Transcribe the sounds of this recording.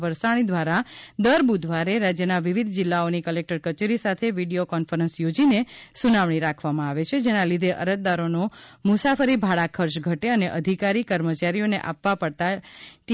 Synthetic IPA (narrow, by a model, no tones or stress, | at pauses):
ʋəɾsaɽ̃id̪ʱʋaɾad̪əɾbud̪ʱʋaɾeɾad͡ʒjənaʋiʋid̪ʱd͡ʒɪlːaonikəlek̚ʈəɾkət͡ʃeɾisat̪ʰeʋiɽijokɔnfəɾənsjod͡ʒinesunaʋɳ̃iɾakʰʋamãaʋet͡ʃʰed͡ʒenalid̪ʱeʔə̰ɾət̪̚d̪aɾonomʊsafəɾibʱaɭakʰəɾʃɡʱəʈeəneʔəd̪ʱikaɾikəɾmət͡ʃaɾijoneʔa̰pːʋapəɽt̪aʈ